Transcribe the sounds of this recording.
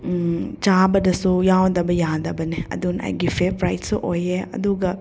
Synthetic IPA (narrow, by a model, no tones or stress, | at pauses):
t͡ʃabɐdɐsujawd̪ɐbɐjad̪ɐbɐneɐ̰d̪una̰jɡifʰepɾajtsuʔojeɐ̰d̪uɡɐ